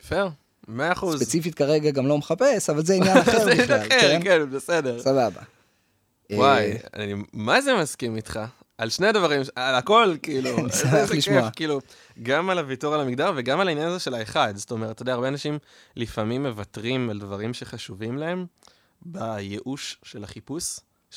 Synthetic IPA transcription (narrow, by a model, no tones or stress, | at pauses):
feʁ | meaːχsuszpet͡sifit̚kaʁeɡaɡamlo̞meχape̞savalzeinnjaaeenjanaχeʁkenbese̞de̞ʁsababa̰ | waja̰nimazemaskimit̪χa | alʃne̞advaʁimalako̞lkiːluasiʃkefkiːlu | ɡamalavituʁalamiɡ̚daʁveɡamalainjanazeʃelaeχad̪soto̞me̞ʁtʰːodaːʁbeanaʃim | lifamimːe̞vatʁimaldvaʁimʃe̞χaʃuvimlae̞m | bajeʔuʃʃelaχipus